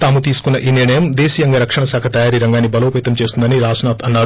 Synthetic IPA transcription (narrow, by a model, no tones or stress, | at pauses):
t̪aːmut̪iːsu̥kunːɐʔiːniɾɳɐjɐmd̪eːsiːjɐŋɡɐɾɐkʂɐɳɐsaːkʰɐt̪ɐjaːɾiɾɐŋɡaːnːibɐloːpeːt̪ɐmt͡ʃe̞ːst̪und̪ɐniɾaːsnaːt̪ʰɐnːaːu